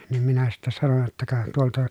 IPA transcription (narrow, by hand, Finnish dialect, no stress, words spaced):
nim minæ sitːæ sɑnon jotːɑ kɑ tuoltɑ